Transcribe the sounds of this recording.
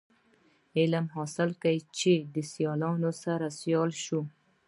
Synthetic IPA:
ɪlamɦɑsɪlkajt͡ʃed̪əsjɑlɑnosaɾasjɑlʃu

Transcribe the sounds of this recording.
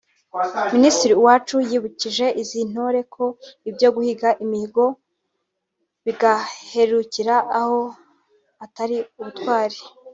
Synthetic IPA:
ministiɾiwaːt͡ʃujiːβuciʒe̞ʔizin̥oɾe̞kʰo̞ibjo̞ɡuhiɡaʔimihiɡo̞ | βiɡahe̞ɾuciɾaːho̞ | ataɾiuβutkwaːɾe

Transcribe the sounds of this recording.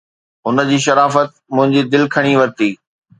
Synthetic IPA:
ɦʊnə̆d͡ʑiːʃ̬ɐɾaːfət̪̚mʊ̃ɦɪ̃ɲd͡ʑiːd̪ɪlkʰɐɽ̃iʋɐɾt̪iː

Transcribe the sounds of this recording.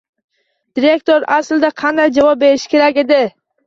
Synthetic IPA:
d̪̥ɪɾe̞kt̪oɾasld̪aqʰɑnd̪ajd͡ʒavɒp̚be̞ɾɪʃɪ̥kʲʰe̞ɾakʲe̞d̪ɪ

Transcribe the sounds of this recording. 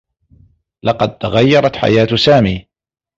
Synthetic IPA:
lɑqɑd̪̚t̪aɣajːɑɾˤɑt̪ħa̰jaːt̪saːmiː

